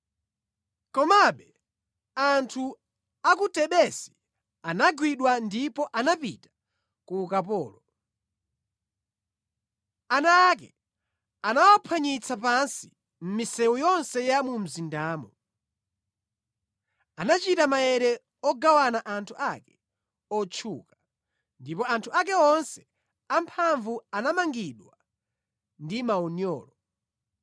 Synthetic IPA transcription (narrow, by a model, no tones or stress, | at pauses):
kɔmaɓɛ | antʰu | ak̬utɛɗɛsi̥ | anaɡwiɗwandipɔʔanapitḁ | kuːkap̬ɔːlɔ | anaːk̬ɛ | anawapʰaɲit͡sʰapansi̥ | m̩misɛwujɔnsɛjamum̩zindaːmɔ | anat͡ʃitamajɛɾɛ | ɔɡawanaʔantʰuʔakɛ̥ | ɔt͡ʃʰuka | ndipɔantʰuak̬ɛɔnsɛ̥ | ampʰaɱvuanamaŋɡiɗwa | ndimaɔnjɔ̰ːlɔ